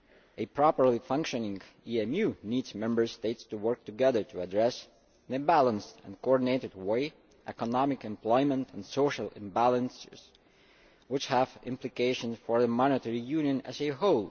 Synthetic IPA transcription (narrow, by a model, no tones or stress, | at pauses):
ʔɨpʰɹ̥ɑpəɹlifʌ̃ŋkʃɨnɪ̃ŋ | iɛ̃mjʉnidzmɛ̃mbə˞steɪtstuwɜ˞k̚tɨɡɛðə˞tʰɨədɹɛs | nɨbælˠə̃nstɨ̰̃nkʰoɔɹdⁿn̩eɪɾɨd̚weɪ | ʔɛ̰kənɑmɪkɨ̃mpl̥ɔɪmə̃ntʰnsoʊʃəl̩ˠɨ̰̃mbælˠə̃nsɪ̰z̥ | wɪt͡ʃhəvɪ̃mplɨkʰeɪʃə̃nsfə˞ðəmɑnɨtɛɹijʉ̃njɨ̃nɨ̰zɨɦoʊlˠ